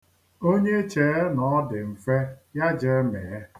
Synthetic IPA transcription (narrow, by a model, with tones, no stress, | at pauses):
o˦ɲe˦t͡ʃe˨˦nɔ˨ɔ˦dɪ˨m̩˨fe˦ja˦d͡ʒe˦me˨˦